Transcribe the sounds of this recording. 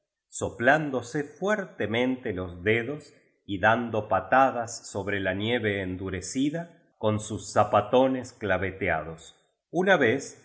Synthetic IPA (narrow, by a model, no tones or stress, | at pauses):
so̞pland̪o̞sefweɾt̪emẽ̞nt̪elo̞zðeðo̞s | iðand̪o̞pat̪aðasːo̞βɾelanje̞βeːnd̪uɾesiða | ko̞nsusːapat̪o̞nesklaβet̪ea̰ð̞o̞s | unaβes